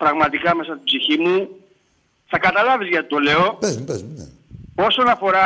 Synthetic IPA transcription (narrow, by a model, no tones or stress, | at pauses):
pɾɐɣmɐt̪ikɐme̞sɐst̪ibziçimu | θɐkɐt̪ɐlɐvizʝɐt̪i̥t̪o̞le̞o̞bezmupezmnḛ | o̞so̞nɐfo̞ɾɐ